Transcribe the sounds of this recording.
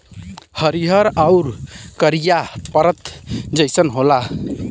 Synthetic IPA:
həɾiɦəɾaʊɾkəɾijapəɾət̪ʰd͡ʒəjsənɦola

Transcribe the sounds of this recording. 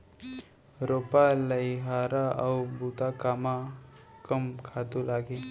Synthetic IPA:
ɾopaləjɦaɾaʔawbut̪akama | kəmkʰat̪ulaɡe

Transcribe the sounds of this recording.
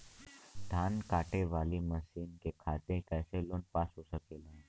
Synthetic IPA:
d̪ʱankaʈeʋaliməsiːnkekʰat̪ẽkɛselonpasusəkelə̃

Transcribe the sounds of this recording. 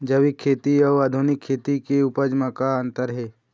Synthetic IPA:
d͡ʒəʋikʰːeːt̪iɔʋaːd̪ʱunɪkʰːeːt̪ikeʊpəd͡ʒmakaənt̪əɾɦeː

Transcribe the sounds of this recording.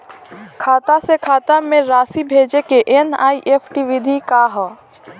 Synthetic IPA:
kʰaːt̪asekʰaːt̪amẽɾaːsibʱeːd͡ʒekeʔena̰ːiʔepʰʈiʋid̪ʱikaɦɔ

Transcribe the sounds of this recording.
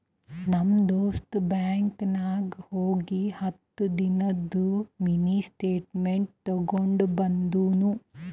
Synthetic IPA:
nɐmd̪oːst̪baːŋknaːɡhoːɡihɐt̪ːud̪inɐd̪ːuminisʈeːʈmeɳʈ̚t̪ɔɡoɳɖubɐnd̪uːnu

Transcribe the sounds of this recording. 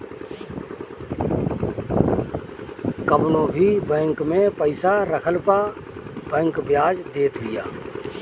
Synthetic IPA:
kəbnõbʱibɛ̃ːŋkmẽpəɪsaɾəkʰəlpabɛ̃ːŋkbjaːd͡ʒd̪eːt̪bɪja̰ː

